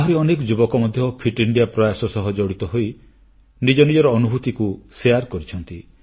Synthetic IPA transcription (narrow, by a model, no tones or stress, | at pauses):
aɦɔɾeɔnekɔd͡ʒubɔkɔmɔd̪ʱjɔpʰiʈiɳɖiapɾɔjasɔsɔɦɔd͡ʒɔɽit̪ɔɦoj | nid͡ʒɔnid͡ʒɔɾɔːnubʱut̪ikuseaɾkɔɾit͡ʃʰɔnt̪i